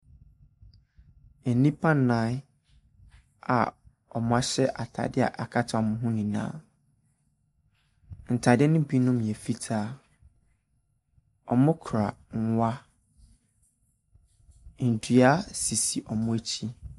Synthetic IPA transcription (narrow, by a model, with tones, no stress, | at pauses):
e˨nĩ˦pʰã˦n˨nã˨˦ | a̰˨ | ɔ˨mʊ̃˦a˦ɕɛ˦ʔa˨tʰa̰˨dɪ˦a̰˨ʔa˨kʰa˦tʰa˦˨mʊ̃˦ɦʊ̃˦nĩ˨nã̰ː˨˦ | n̩˨tʰa˨dɪ˦ɛ˦nʊ̃˦bi˦nʊ̃˦m̃˨ɛ˨fi˦tʰaː˦ | ɔ˨mʊ̃˦kʰɾa˨ŋ̩˦wa˦ | n̩˨dɥa˦si˨si˨ʔɔ˨mʊ̃˦æ˦t͡ɕʰi˦